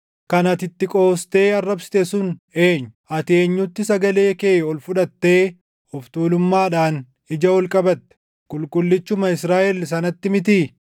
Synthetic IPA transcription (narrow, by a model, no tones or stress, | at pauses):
kɐnɐt̪ɪt̪ːɪkʼo̞ːst̪e̞ːɐrːɐbsɪ̥t̪ɛsʊne̞ːɲːʊɐt̪e̞ːɲːʊt̪ːɪsɐɡɐle̞ːkeːɔlfʊᶑɐt̪ːe̞ː | ɔft̪uːlʊmːaːᶑaːn | ɪd͡ʒɐwɔlkʼɐbɐt̪ːɛ̥ | kʼʊlkʼʊlːɪt͡ʃːʊmɐɪsɾaːʔɛls̬ɐnɐt̪ːɪmɪt̪iː